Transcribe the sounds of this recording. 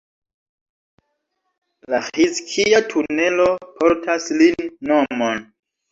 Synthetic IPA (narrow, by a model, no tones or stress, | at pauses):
lahiskʰiatʰune̞lo̞pʰoɾtʰaslinːomon